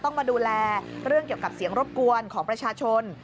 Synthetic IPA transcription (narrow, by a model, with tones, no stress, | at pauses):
t̪ɔ˥˩ŋmaː˧duː˧lɛː˧ɾɯ˥˩əŋki˨˩əwka˨˩p̚si˩˦əŋɾo˦˥p̚ku˧ənkʰɔː˩˦ŋpɾa˧t͡ɕʰaː˧t͡ɕʰo˧n